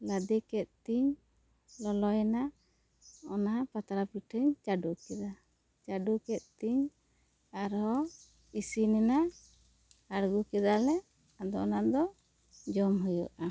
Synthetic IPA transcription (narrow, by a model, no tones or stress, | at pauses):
lad̪ɛkɛt̪̚t̪iɲ | lɔlɔjɛna | ɔnapat̪aɾapiʈʰəɲt͡ʃaɖukɛd̪a | t͡ʃaɖukɛt̪̚t̪iɲ | aɾɔ | isinɛna | aɾɡukɛd̪alɛ | ad̪ɔnaʔd̪ɔ | d͡ʒɔmɦujɔ̰ʔa